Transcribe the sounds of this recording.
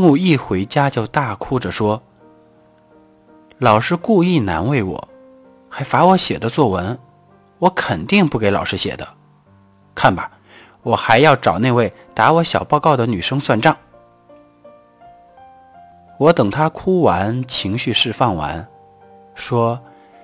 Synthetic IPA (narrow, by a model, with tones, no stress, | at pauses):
ŋu˥˧i˥˩xwe˧˥ɪt͡ɕja˥t͡ɕjo˥˧ʊt̪a˥˩kʰu˥ʈ͡ʂə˨ʂwɔ˥ | lɑ˨˩ʊʂɻ̩˥ku˥˧i˥˩na̰˧˥nwe˥˩ɪwɔ̰˨˩˦ | xa˧˥ɪfa˧˥wɔ˧˥ɕjɛ̰˨˩d̪ə˦t͡swɔ˥˩wə˧˥n | wɔ˧˥kʰə˨˩nt̪i˥˧ŋpu˥˩ke˧˥ɪlɑ˨˩ʊʂɻ̩˥ɕjɛ̰˨˩d̪ə˦ | kʰa˥˩nbɐ˩ | wɔ˨˩xa˧˥ɪjɑ˥˩ʊʈ͡ʂɑ˨˩ʊne˥˧ɪwe˥˩ɪt̪a˧˥wɔ˧˥ɕjɑ˨˩ʊpɑ˥˧ʊkɑ˥˩ʊd̪ə˩ny˨˩ʂɤ˥ŋswa˥˧nʈ͡ʂɑ˥˩ŋ | wɔ˧˥t̪ɤ˨˩ŋt̪ʰa˥kʰu˥wa˧˥nt͡ɕʰi˧˥ŋɕy˥˧ʂɻ̩˥˧fɑ˥˩ŋwa̰˧˥n | ʂwɔ˥